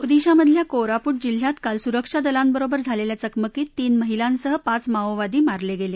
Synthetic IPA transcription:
ud̪iɕaməd̪ʱljakoɾapuːʈ̚d͡ʑil̤jat̪kalsuɾəkʂad̪əlambəɾobəɾd͡zʱaleljat͡səkməkiːt̪ːiːnməɦilãnsəɦəpat͡smaoʋad̪iːmaɾleɡele

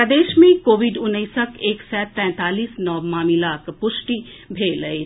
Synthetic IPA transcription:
pɾəd̪eːʃmẽkoːʋɪɖʊnːəisəkeːksɛːt̪ɛ̃ːt̪aːliːsnɔːmaːmilaːkpʊʃʈi | bʱeːləe

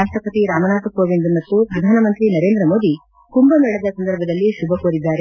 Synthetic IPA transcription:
aːʂʈɾɐpɐt̪iɾaːmɐnaːt̪ɐkoːʋind̪umɐt̪ːupɾɐd̪ʱaːnɐmɐnt̪ɾinɐɾe̞ːnd̪ɾɐmo̞ːd̪i | kumbɐmɛɭɐd̪ɐsɐnd̪ɐɾbʱɐd̪ɐlːiʃubʱɐkoːɾid̪ːaːɾe

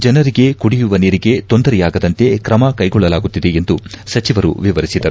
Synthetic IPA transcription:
d͡ʒɐnɐɾiɡe̞kuɽijuʋɐniːɾiɡe̞t̪o̞nd̪ɐɾɛjaːɡɐd̪ɐnt̪e̞kɾɐmɐkɐjɡɔɭːɐlaːɡut̪ːid̪e̞end̪usɐt͡ʃiʋɐɾṵʋiʋɐɾisid̪ɐɾu

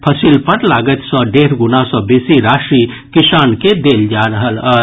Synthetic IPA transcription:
pʰəsilpəɾlaːɡət̪sɔ̃ɖeːɾɡʊnasɔbeːsiɾaːʃɾi | kɪsaːnked̪eːld͡ʒaɾəɦələ

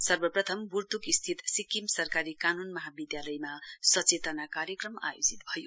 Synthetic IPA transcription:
sʌrbʌprʌt̪ʰʌmburt̪ukist̪ʰit̪sikimsʌrkaɾikanunmʌɦabid̪jalʌjmasʌt͡set̪ʌnakaɾjʌkrʌma̰jo̰d͡zit̪̚bʱʌjo

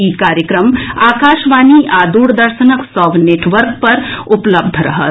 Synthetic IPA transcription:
ikaːɾjəkɾəmaːkaːʃʋaːniʔaːd̪uːɽd̪ɐɾʃənəksɔʋneːʈʋəɾk̚pɐɾʊpləb̚d̪ʱəɾɐ̰ɦə̰t̪

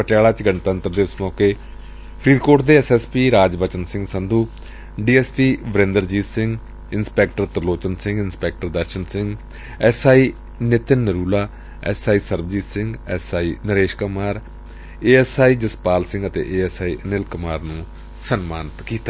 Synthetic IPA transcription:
pəʈjaːlaːt͡ʃɡəɳt̪əənt̪əɾd̪eːʊsmɔːkeː | pʰɾiːd̪koːʈd̪eːɛsɛːspiːɾaːd͡ʒbət͡ʃənsɪ̃ŋɡsə̃nd̪ʱuː | ɖiːɛːspiːʋəɾẽːnd̪əɾd͡ʒiːsɪ̃ŋɡ | ɪnspɛːk̚ʈəɾt̪əɾloːt͡ʃənsɪ̃ŋɡɪnspɛːk̚ʈəɾd̪əɾʃənsɪ̃ŋɡ | ɛsaːiː | nɪt̪ɪnːəɾuːlaː | ɛ̰ːsaːiːsəɾbəd͡ʒiːsɪ̃ŋɡɛːsaːiːnəɾeːʃkʊmaːɾ | eːɛːsaːiːd͡ʒəspaːlsɪ̃ŋɡət̪ḛːʔeːɛːsaːiːʔnɪlkəmaːɾnũː | sənmaːnɪt̪kiːt̪aː

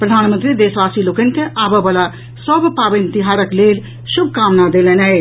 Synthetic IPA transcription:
pɾəd̪ʱaːnmənt̪ɾid̪eːsʋasilokən̆keʔaːbəbala | səbpaːʋint̪iɦaːɾəkleːl | ʃʊb̚ʱkaːmnad̪elenɛj

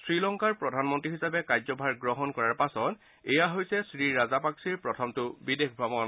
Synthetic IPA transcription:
sɹilɔŋkaɹpɹɔdʱanmɔntɹiɦisapɛkajzɔbʱaɹɡɹɔɦɔnkɔɹaɹpasɔt | ɛjaɦojsɛsɹiɹazapaksiɹpɹɔtʰɔmtʊbidexbʱamɔn

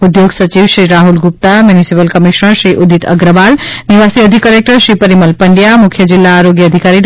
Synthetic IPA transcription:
ud̪joɡsət͡ʃiʋsɾiɾaɦulɡup̚t̪amjunisipəlkəmiʃnəɾsɾiʔud̪it̪ʰə̰ɡɾəbalniʋasiəd̪ʱikəɾek̚ʈəɾsɾipəɾiməlpəɳɖijamukʰjəd͡ʒilːaːɾoɡjəːd̪ʱikaɾi

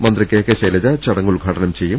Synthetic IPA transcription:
mɐnd̪rikʲːekːeɕelɐd͡ʑɐt͡ɕɐɽɐŋːuɭɡʱɐʈɐnɐmt͡ɕe̞jːum

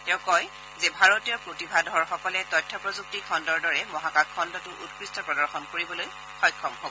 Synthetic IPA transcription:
tɛʊ̃kɔj | zebʱaɹotijɔpɹotibʱadʱɔɹxɔkɔlɛtɔtʰːɔpɹɔzuk̚tikʰɔndɔɹdɔɹɛmɔɦakakʰːɔndɔtʊʔutkɹistɔpɹɔdɔɹxɔnkoɹibɔloj | xɔjkʰːɔmhobɔ

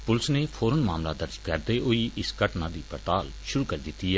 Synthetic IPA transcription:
pʊlsneːpʰoːɾənmaːmlaːd̪əɾd͡ʒkəɾd̪eːʔʊiːʔɪskəʈnãːd̪iːpəɾt̪aːl | ʃʊɾuːkəɾd̪ɪt̪ːiːɛː

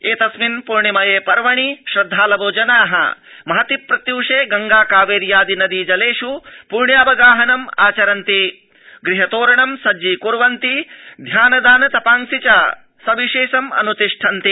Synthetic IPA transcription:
eːt̪ɐsminpuɾɳimɐjeːpɐɾʋɐɳiʃɾɐd̪ʱːaːlɐboːd͡ʒɐnaːɦɐ̰mɐɦɐt̪ipːɾɐt̪juːʂeːɡɐŋɡaːkaːʋeːɾjaːd̪inɐd̪id͡ʒɐleːʂupuɾɳjaːʋɐɡaːɦɐnɐma̰ːt͡ʃɐɾɐnt̪i | ɡɾiɦɐt̪oːɾɐɳɐmsɐd͡ʒiːkuɾʋɐnt̪id̪ʱjaːnɐd̪aːnɐt̪ɐpaːŋsit͡ʃaː | sɐʋiʃeːʃɐmɐ̰nut̪iʂʈʰɐnt̪i

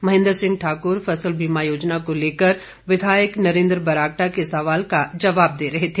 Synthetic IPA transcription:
mɐɦɪ̃nd̪əɾsɪ̃ŋɡʈʰaːkʊɾfɐsəlbʱiːmajoːd͡ʒnakoleːkəɾ | ʋɪd̪ʱaːjəknɐɾẽːnd̪ɾbɐɾaːk̚ʈakesɐʋaːlkad͡ʒɐʋaːb̚d̪eːɾɐɦet̪ʰeː

